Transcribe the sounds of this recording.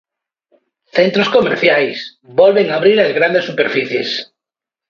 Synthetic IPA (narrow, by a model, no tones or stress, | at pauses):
θent̪ɾoskomeɾθjajs | bɔlβeŋaβɾiɾazɣɾand̪esːupeɾfiθjes